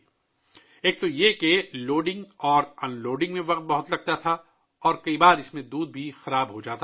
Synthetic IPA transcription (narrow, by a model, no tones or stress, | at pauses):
eːk̚t̪ojekeloːɖɪ̃ŋɡɔːɾɐnloːɖɪ̃ŋɡmẽʋɐq̚t̪̚bɐɦʊt̪lɐɡ̚t̪at̪ʰa | ɔːɾkɐibaːɾɪsmẽd̪uːd̪̚bʱixɐɾaːbɦod͡ʒaːt̪a